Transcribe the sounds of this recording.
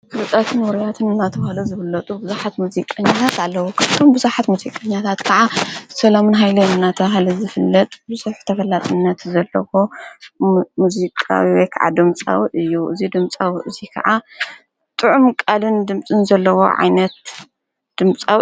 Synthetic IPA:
kɨlɨt̪ʼat̪ʰɨnwɨɾjat̪ʰɨnɨnːat̪ʰɐβahluzɨβɨlːɐt̪ʼubɨzaħat̪muzikʼːɐɲːat̪ʰat̪alːɐwukʰaβt̪ʰombɨzaħat̪muzikʼɐɲːat̪ʰat̪kʰɐʕasɐlamɨnɦajlɐnːat̪ʰɐβaɦlɐzɨfɨlːɐt̪ʼbɨzuħt̪ʰɐfɐlːat̪ʼɨnːɐt̪zɐlːɐwo̞ | muzikʼa̰wiwɔjkʰa̰ʕa̰d̪ɨmt͡sʼa̰wɨjːuʔɨ̰zid̪ɨmt͡sʼawʔɨzikʰɐ̰ʕa | t̪ʼɨʕumkʼalɨnd̪ɨmsʼɨnzɐlːɐwo̞̰ʕa̰jnɐt̪ | d̪̥ɨmt͡sʼa̰w

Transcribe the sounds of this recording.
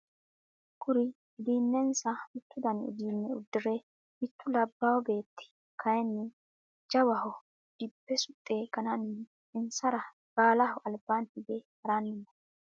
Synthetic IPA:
kʊɾɪ | ɪd̪iːnːɛnsɐɪt̪ːʊd̪ɐnɪ̰d̪iːnːɛʊ̰d̪ːɪɾɛ | ɪt̪ːʊlɐbːawɔbe̞ːt̪ːɪ̥ | kɐjɛnːɪ | d͡ʒɐwɐɦɔ | d̪̥ɪbːɛsʊt̪ʼːe̞ːkɐnɐn | ɪnsɐɾɐ | b̥aːlɐhʊʔɐlbant̪ɪd̪ɛhɐɾanːɪnːɐ

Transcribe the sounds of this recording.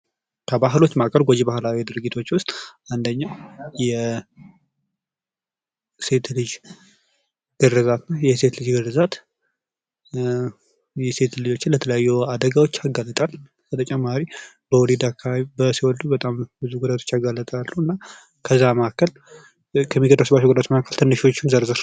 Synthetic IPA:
kʰəbaɦlo̞t͡ʃːmakʰəlɡod͡ʒibahlawid̪ɨɾɨɡit̪ʰo̞t͡ʃːwʊst̪ʼand̪əɲːajɛ | se̞t̪lɨd͡ʒ | ɡ̥ɨrːɨzat̪najɛse̞t̪lɨd͡ʒɡɨrɨzat̪ | jɛse̞t̪lɨd͡ʒo̞t͡ʃːɪnlət̪ʰələjajːuad̪əɡawot͡ʃːaɡalːət̪ʼal | kʰət̪ʰət͡ʃʼɛmːaɾi | bəwɔled̪akʰːaaβibəsiwɔld̪ubət̪ʼambɨzuɡud̪at̪ʰo̞t͡ʃːaɡalːət̪ʼalːuɨnːa | kʰəzːaməkːəl | kʰəmːiɡəd̪əsəbːat͡ʃːuɡud̪at̪makʰːəlt̪ʰɨnːɨʃo̞t͡ʃːɪnzəɾzɨɾ

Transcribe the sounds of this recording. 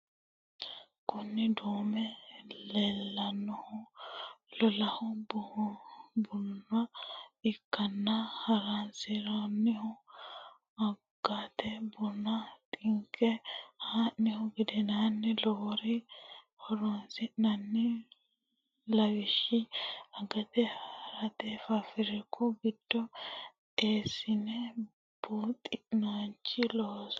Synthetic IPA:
kʊnːɪd̪oːmɛlelːɐnːɔhʊ | lɔlɐhʊbʊhbʊnːɐɪkːɐnːɐhɐɾansɪɾanːɪhʊ | ɐɡ̥ːaːt̪ɛbɔnːɐt̪ʼɪŋkʰːɛhaːnnɪhɔɡɪd̪ɛnanːɛlɔhɔɾɪ | hɔɾɔnsɪʔnɐnːɪ | lɐwɪʃɪɐɡɐt̪ɛhɾɐt̪ɛfɐfɪɾɛkʰːɔɡɪd̪̥ːɔ | eːsɪnɛ | b̥ut̪ʼɪnant͡ʃːɪlɔhɔs

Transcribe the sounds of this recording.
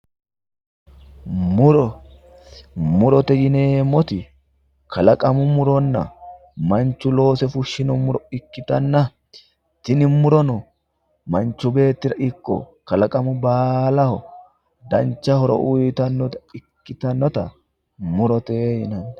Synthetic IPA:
mʊɾɔ | mʊɾɔt̪ɛjɪneːmːɔt̪ɪ | kʰɐlɐkʼɐmʊmʊɾɔnːɐ̰ | mɐnt͡ʃːʊlo̞ːsɛfʊʃːɪnɔmʊɾɔɪkːɪt̪ɐnːɐ | t̪ɪnɪmʊɾɔnɔ | mɐnt͡ʃːʊbe̞ːt̪ːɪɾɐʔɪkːɔ̰ | kɐlɐkʼɐmʊbaːlɐhɔ | d̪ɐnt͡ʃːɐhɔɾɔ̰ʔʊjɪt̪ɐnːɔt̪ɐ̥ɪkːɪt̪ɐnːɔt̪ɐ | mʊɾɔt̪ejɪnɐnː

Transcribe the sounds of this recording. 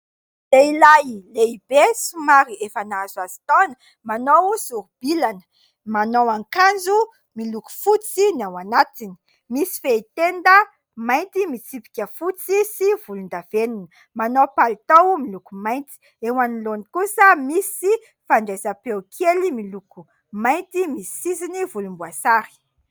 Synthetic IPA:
d̪eilajleibesumaɾiefanazazi̥t̪onə̥ | manowsuɾub̥ilanə̥ | manowaŋkand͡zu | miluku̥fut͡sinawanat̪ini̥ | misi̥feit̪end̪ə | majnt̪imit͡sipi̥kʲəfut͡sisiv̥ulund̪av̥enunə | manowpalit̪owumilukumajnt̪i̥ | ewanilonikusəmisi | faɳɖ͡ʐezapewkʰelimiluku | majnt̪imisi̥sizinivulumbuasaɾi̥

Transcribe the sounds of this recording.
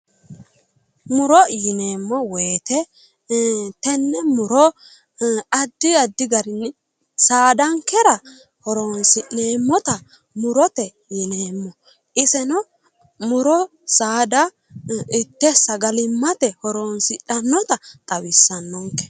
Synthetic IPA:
mʊɾɔjɪneːmːɔweːt̪ɛ | t̪ɛnːɛmʊɾɔ | ɐd̪ːɪɐd̪ːɪɡɐɾɪnːɛ | saːd̪ɐŋkɛɾɐ | hɔɾoːnsɪʔneːmːɔt̪ɐ | mʊɾɔt̪ɛ | jɪneːmːɔ | ʔɪsɛnɔ | mʊɾɔ | saːd̪ɐ | ɪt̪ːɛsɐɡɐlɪmːɐt̪ɛhɔɾoːnsɪᶑɐnːɔt̪ɐt̪ʼɐwɪsːɐnːɔŋkɛ̥

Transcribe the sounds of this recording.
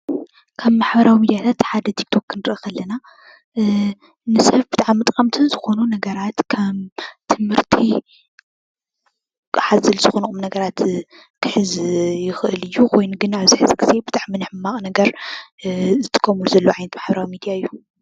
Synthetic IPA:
kʰaβmaħbɐɾawimid̪ijat̪ʰat̪ħad̪ɐt̪ʰi̥k̚t̪ʰo̞kːʰɨnɨɾʔɐxɐlːɐna | nɨsɐβbɨt̪ʼaʕamːɨt̪ʼkʼɐmt̪ʰɨnzɨxo̞nunɐɡɐɾat̪kʰɐmt̪ʰɨmhɨɾt̪ʰi | ħazɐlz̥ɨxonukʼumnɐɡɐɾat̪ | kʰɨħɨzjɪxʔɨlɨjːukʰo̞jnuɡɨnaβzɨħzɨɡɨze̞bɨt̪ʼaʕmːɨnɨħɨmːaχʼnɐɡɐɾ | zɨt̪ʰʼɨ̥kʼːɐmulzɐlːoʕajnɐt̪maħbɐɾawimid̪ijaɨjːu

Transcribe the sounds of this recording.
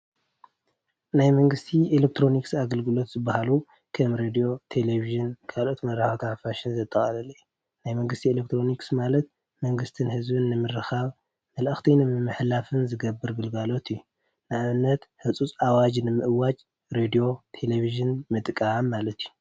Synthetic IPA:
najmɐŋɡɨst̪ʰielek̚t̪ʰɾo̞niksaɡɐlɡɨlo̞t̪z̥ɨbːahalu | kʰɐmɾed̪ijo̞t̪ʰeleβiʒɨnkʰalo̞t̪mɐɾaxat̪ʰaħfaʃinzɐt̪ʼːɐχʼɐlɐli | najmɐŋɡɨst̪ʰielek̚t̪ʰɾo̞niksmalɐt̪̚ | mɐŋɡɨst̪ʰɨnhɨzbɨnːɨmɨɾːɨxaβ | mɐlɨxt̪ʰinɨmɨmːɨħlafɨnzɨɡɐbːɨɾɡɨlɡalo̞t̪iju | naʔβɨnːɐt̪ħɨt͡sʼut͡sʼawad͡ʒnɨmɨʔɨwat͡ʃʼ | ɾed̪ijo̞t̪ʰe̞leβiʒɨnmɨt̪ʼkʼamːalɐt̪ju

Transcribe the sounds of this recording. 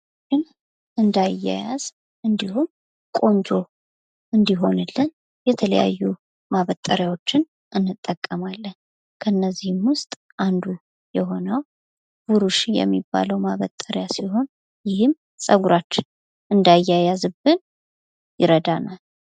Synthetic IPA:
ɨn | ɨnd̪ajːa̰ja̰z | ʔɨnd̪ihum | kʼo̞nt͡ʃʼo̞ | ʔɨnd̪iɦo̞nɨlːən | jɛt̪ʰələja̰jːu | maβət̪ʼːəɾjawo̞t͡ʃːɪn | ʔɨnːɨt̪ʼːəkʼːəmalːən | kʰəɨnːəzːihɨmwʊst̪ʼ | ʔand̪u | jɛɦo̞nəw | b̥uɾuʃijɛ̰mːibːa̰ləwmaβət̪ʼːəɾjasiɦo̞n | jɪhɨm | sʼəɡuɾat͡ʃːɪn | ʔɨnd̪ajːajazɨbɨn | jɪɾəd̪anal

